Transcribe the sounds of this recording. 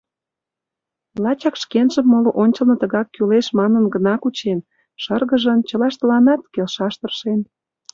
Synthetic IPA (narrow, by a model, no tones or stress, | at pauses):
lɑt͡ɕɑkʃkenʒəmːoloʔonʲt͡ɕəlnɤ̆t̪əɣɑkːyleʃmɑnənɡənɑkut͡ɕen | ʃərɣəʒənt͡ɕəlɑʃt̪ə̆lɑnɑt̪kelʃɑʃt̪ərʃen